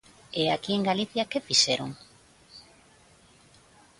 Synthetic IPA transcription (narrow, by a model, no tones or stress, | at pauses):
eakieŋɡaliθjakefiʃeɾoŋ